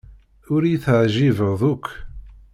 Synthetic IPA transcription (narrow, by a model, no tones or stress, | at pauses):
ʊɾjiθəʕʒivəðˤʊkʰː